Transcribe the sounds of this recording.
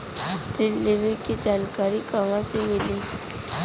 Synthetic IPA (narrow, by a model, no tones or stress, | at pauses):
ɾɪleʋẽked͡ʒaːnkaːɾikaːmãsemɪlẽː